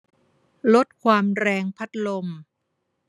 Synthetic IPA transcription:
lo˦˥t̪̚kʰwaː˧mɾɛː˧ŋpʰa˦˥t̪̚lo˧m

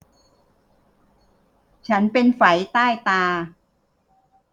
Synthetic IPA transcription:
t͡ɕʰa˦˥npe˧nfa˩˦jt̪aː˥˩jt̪aː˧

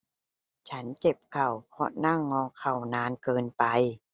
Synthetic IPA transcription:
t͡ɕʰa˦˥nke˨˩p̚kʰa˨˩wpʰɔ˧˥na˧˥˩ŋːɔː˧˩kʰːa˨˩wnaː˧nkɤː˧npa˧j

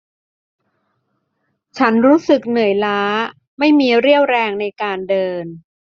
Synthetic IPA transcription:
t͡ɕʰa˦˥nɾuː˦˥sɯ˨˩k̚nɯ˨˩ə˦jlaː˦˥ | ma˥˩jmiː˧ɾi˥˩əwɾɛː˧ŋna˧jkaː˧ndɤː˧n

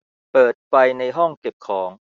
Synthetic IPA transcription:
pɤː˨˩t̪̚fa˧jna˧jɦɔ˥˩ŋke˨˩p̚kʰɔː˩˦ŋ

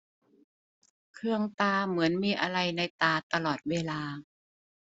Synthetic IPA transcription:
kʰɯ˧əŋt̪aː˧mɯ˩˦ənmiː˧ʔa˧ɾa˧jna˧jt̪aː˧t̪a˧lɔː˨˩t̪̚weː˧laː˧

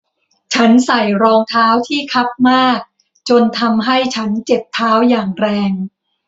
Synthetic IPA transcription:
t͡ɕʰa˦˥nsa˨˩jɾɔː˧ŋt̪ʰaː˦˥wt̪ʰiː˥˩kʰa˦˥p̚maː˥˩k̚ | t͡ɕo˧nt̪ʰa˧mɦa˥˩jt͡ɕʰa˦˥nt͡ɕe˨˩p̚t̪ʰːaː˦˥wjaː˨˩ŋɾɛː˧ŋ

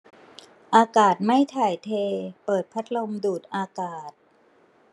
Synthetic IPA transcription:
ʔaː˧kaː˨˩t̪̚ma˥˩jt̪ʰaː˨˩jt̪ʰeː˧pɤː˨˩t̪̚pʰa˦˥t̪̚lo˧mduː˨˩t̪̚ʔaː˧kaː˨˩t̪̚

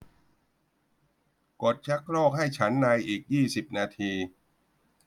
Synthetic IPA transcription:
ko˨˩t̪̚t͡ɕʰa˦˥kɾɔː˥˩k̚ɦa˥˩jt͡ɕʰa˦˥nːa˧jʔiː˨˩k̚jiː˥˩si˨˩p̚naː˧t̪ʰiː˧

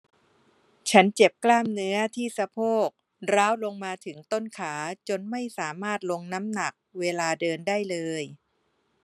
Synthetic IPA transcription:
t͡ɕʰa˦˥nt͡ɕe˨˩p̚klaː˥˩mnɯ˦˥ɐt̪ʰiː˥˩sa˧pʰoː˥˩k̚ | ɾaː˦˥wlo˧ŋmaː˧t̪ʰɯ˩˦ŋt̪o˥˩nkʰaː˩˦t͡ɕo˧nma˥˩jsaː˩˦maː˥˩t̪̚lo˧ŋna˦˥mna˨˩k̚weː˧laː˧dɤː˧ndaː˥˩jlɤː˧j

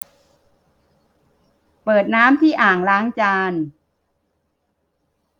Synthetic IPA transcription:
pɤː˨˩t̪̚naː˦˥mt̪ʰiː˥˩ʔaː˨˩ŋlaː˦˥ŋt͡ɕaː˧n

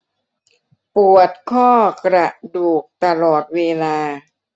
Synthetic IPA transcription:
pu˨˩ət̪̚kʰɔː˥˩kɾa˨˩duː˨˩k̚t̪a˧lɔː˨˩t̪̚weː˧laː˧

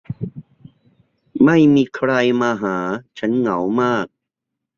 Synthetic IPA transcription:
ma˥˩jmiː˧kʰɾa˧jmaː˧ɦaː˩˦t͡ɕʰa˦˥nŋa˩˦wmaː˥˩k̚

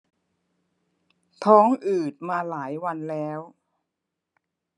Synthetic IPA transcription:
t̪ʰɔː˦˥ŋʔɯː˨˩t̪̚maː˧laː˩˦jwa˧nlɛː˦˥w

